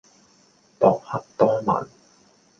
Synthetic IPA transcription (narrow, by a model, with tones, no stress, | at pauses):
p̪ɔː˨˩k̚hɐ˨˥k̚t̪ɔː˥mɐ̰˨˩n